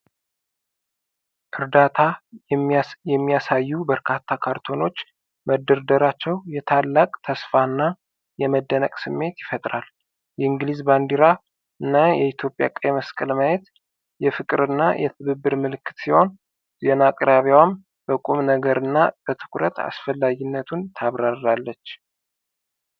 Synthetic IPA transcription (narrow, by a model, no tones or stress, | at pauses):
ʔɨɾd̪at̪ʰa | jɛmːijasajːubəɾkʰat̪ʰːakʰaɾt̪ʰo̞no̞t͡ʃː | məd̪ːəɾd̪əɾat͡ʃːɛwjɛt̪ʰalːakʼt̪ʰəsfanːa | jɛməd̪ːənəkʼsɨmːe̞t̪jɪfət̪ʼɾal | jɛɨŋɡlizband̪iɾa | ɨnːajɛit̪ʰjo̞pʼja̰kʼajməskʼəlmajet̪ | jɛfɨkʼɨɾɨnːajʔɛ̰t̪ʰɨβɨbːɨɾmɨlɨkːɨt̪siho̞n | zenakʼɾaβiwam | bəkʼumnəɡəɾɨnːab̥ət̪ʰɨ̥kʰɾə̰t̪ʰa̰sfəlːaɡɪnːət̪ʰunt̪ʰaβɾarːalːət͡ʃː